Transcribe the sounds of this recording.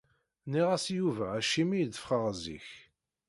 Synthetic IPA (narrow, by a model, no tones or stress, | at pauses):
niʁæsjuvæːʃimijd̪əfχəʁzḭç